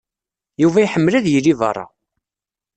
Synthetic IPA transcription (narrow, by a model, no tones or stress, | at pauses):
juvæiħəmːlæðjilivɑ̰rˤːɑ̰